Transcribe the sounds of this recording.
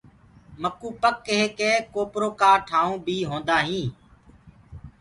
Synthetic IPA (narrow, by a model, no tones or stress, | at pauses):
məkuːpəkːeɦeːkeːkoːpɾoːkaːʈʰaːũːbʱiːɦõːnd̪aːɦĩː